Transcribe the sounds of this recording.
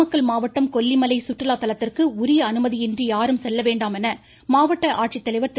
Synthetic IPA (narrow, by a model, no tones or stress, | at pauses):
ɐkːɐɭmaːʋɐʈːɐmkɔlːimɐlɐɪsʊʈrɪlaːt̪ːɐlɐt̪ːɪrkɯʊɾɪjɐɐnɯmɐðiɪndrijaːɾɯmsɛlːɐʋeːɳɖaːmɛnɐ | maːʋɐʈːɐʔaːʈ̚t͡ʃɪt̪ːɐlɐɪʋɐɾt̪ːɪ